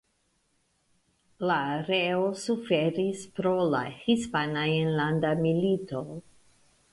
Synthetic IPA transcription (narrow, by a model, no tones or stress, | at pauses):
laːɾeosufe̞ɾispɾo̞la̰hispanaienlandamilito̞